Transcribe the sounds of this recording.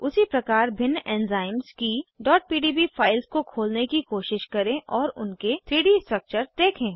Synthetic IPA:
ʊsipɾɐkaːɾbʱɪnːɛ̃ːnzaːɪmzkiɖɔːʈ̚piːɖiːbifaːɪlskokʰoːlnekikoːʃɪʃkɐɾẽʔɔːɾʊnket̪ʰɾiːɖiːsʈɾək̚t͡ʃəɾd̪eːkʰẽː

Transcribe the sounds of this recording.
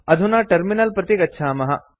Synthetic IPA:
ɐd̪ʱunaːʈɐɾminɐlpɾɐt̪ikɐtːʃʰaːmɐɦɐ̰

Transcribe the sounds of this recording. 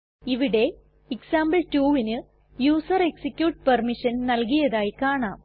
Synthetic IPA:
iʋiɽe̞ | iksaːmbɐltuːʋinɨ | juːsɐreksikʲjuːʈ̚pɐrmiʂɐnnɐlk̬ijɐðaːjikaːɳaːm

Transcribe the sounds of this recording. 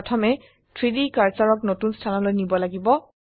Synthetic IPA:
tʰɔmɛ | tʰɹidikaɹsaɹɔknotunstʰanɔlojnibɔlaɡibɔ

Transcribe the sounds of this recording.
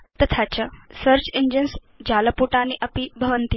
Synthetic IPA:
t̪ət̪ʰat͡ɕəsəɾt͡ɕiɲd͡ʒəns | d͡ʒaləpuʈaniʔəpibʱɐʋənt̪i

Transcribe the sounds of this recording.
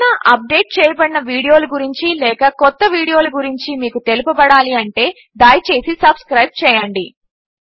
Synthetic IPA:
nɐʔɐp̚ɖe̞ːʈ̚t͡ʃɛːjɐbɐɽinɐʋiːɽijo̞ːluɡuɾiɲt͡ʃilɛːkɐkɔt̪ːɐʋiːɽijo̞ːluɡuɾiɲt͡ʃimiːkut̪e̞lupubɐɽaːliɐɳʈe̞ː | d̪aːjt͡ʃe̞ːsisɐbskɾɐjb̚t͡ʃɛːjɐɳɖi

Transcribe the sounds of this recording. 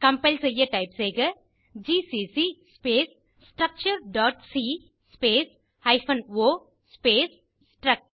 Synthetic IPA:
kɐmpelsɐjɐʈɐjpseːɡɐ | d͡ʒiːsiːsispeːs | sʈɾɐk̚t͡ʃɐɾɖɔːʈsiː | speːs | hɐjfʰɐnʋoː | speːs | ʈɾɐk̚

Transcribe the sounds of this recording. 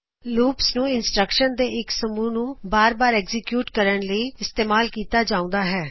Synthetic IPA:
luːpsnũːɪnsʈɾəkʃənd̪eːɪksəmuːnũːbaːɾbaːɾɛːɡzɪkjuːʈkəɾəɳləiːɪst̪eːmaːlkiːt̪aːd͡ʒaːʊ̃ːnd̪aːɦɛː

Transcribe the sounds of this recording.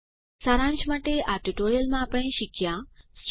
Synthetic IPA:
saɾãnt͡ʃmaʈeʔaʈuʈoɾijəlmãːpɽ̃ẽɕikʰjãsʈ

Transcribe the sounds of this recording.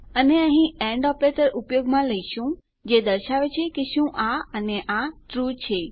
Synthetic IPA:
əneə̃ɦĩeɳɖɔpɾet̪əɾʔupjoɡmãləiʃũ | d͡ʒed̪əɾʃaʋet͡ʃʰekeʃũʔaəneʔaʈɾut͡ʃʰe

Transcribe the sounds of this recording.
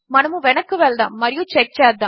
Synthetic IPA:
mɐnɯmũʋɛnɐkːɯʋɛːld̪ã̰ːmɐɾɪjũt͡ʃɛk̚t͡ʃaːd̪ãː

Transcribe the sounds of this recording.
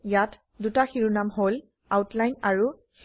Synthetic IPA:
jat | dutaxiɹunamɦol | awtlajnaɹu | x

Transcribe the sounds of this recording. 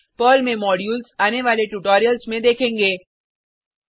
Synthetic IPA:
pəːlmẽmɔːɖjuːlsaːneʋaːleʈuːʈɔːɾijəlsmẽd̪eːkʰẽːŋɡeː

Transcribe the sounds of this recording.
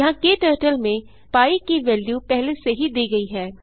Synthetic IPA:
ɐɦãkeʈəːʈəlmẽ | paːikiʋɛːljupɛɦleseɦid̪iːɡɐiɦɛː

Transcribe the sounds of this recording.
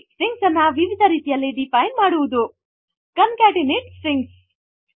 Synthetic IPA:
siŋɡsɐnːɐʋiʋid̪ʱɐɾiːt̪ijɐlːiɖipɐjnmaːɽuʋud̪u | kɐmkaːʈiniʈsiŋɡs

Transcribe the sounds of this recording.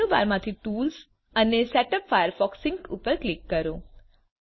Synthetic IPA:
ũba̰ɾmãt̪ʰiʈuːls | ənesɛʈəpfajəɾfɔksɪŋkṵpəɾklikːəɾũ

